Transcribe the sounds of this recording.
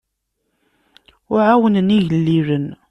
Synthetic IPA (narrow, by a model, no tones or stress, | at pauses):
ʊʕawənəniʝəlːiɾən